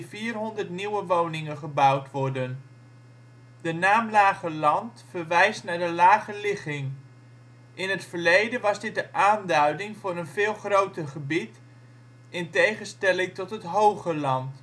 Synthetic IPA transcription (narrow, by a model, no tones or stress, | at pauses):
fiːrɦɔndərtniwəʋownɪŋənχəbʌwtʋɔrdən | dənaːmlaːχəlɑntfərʋɛjstnaɹdəlaːχəlɪχɪŋ | ʔɪnətfərlejdənʋɑzdɪt̚dəʔaːndœɥdɪŋvʊːɾənvɪːlˠχrowtərχəbit | ɪntejχənstɛlɪŋtɔtɦətɦowχəlɑnt